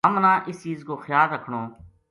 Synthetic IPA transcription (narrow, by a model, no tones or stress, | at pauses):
ɦəmnãːʔɪst͡ʃiːzkoːxjaːlːəkʰɽoː